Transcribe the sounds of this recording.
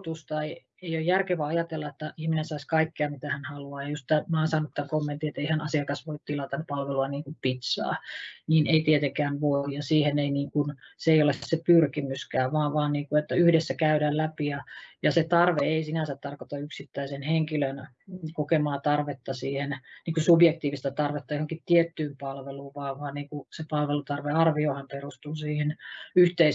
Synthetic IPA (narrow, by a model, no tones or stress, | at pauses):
t̪ust̪ɑei | eijojjærkeʋæɑjɑt̪elːɑet̪ːæihminensɑiskɑikːeɑmit̪æhænhɑluɑːjɑjust̪æmɑːnsɑnut̪ːæŋkomːent̪iet̪eihænɑsiɑkɑsʋoit̪t̪ilɑt̪ɑnpɑlʋeluɑniːŋkuppit̪sɑ̰ːniːneit̪iet̪eŋkæːnʋoijjɑsiːheneiniːŋkunseeiolessepyrkimyskæːʋɑːʋʋɑːnniːŋkuet̪ːæyhdesːækæydæːllæpijɑjɑset̪ɑrʋeeisinænsæt̪t̪ɑrkot̪ɑyksit̪ːæisenheŋkiløn | kokemɑːt̪ɑrʋet̪ːɑsiːhenniːkusubjek̚t̪iːʋist̪æt̪ɑrʋet̪ːɑjohoŋkit̪t̪iet̪ːyːmpɑlʋeluːʋʋɑːʋɑːnniːŋkusepɑlʋelut̪ɑrʋeɑrʋiohɑmperust̪uːsiːhenyht̪ei